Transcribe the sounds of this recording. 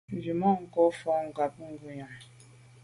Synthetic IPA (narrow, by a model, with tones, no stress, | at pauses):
n˨d͡ʒi˨mɔ˦˨ŋ̩˨kɔ˦fɔ˦ŋ̩˨ɡa˨p̚ŋ̩˦ɡu˨ɲa˨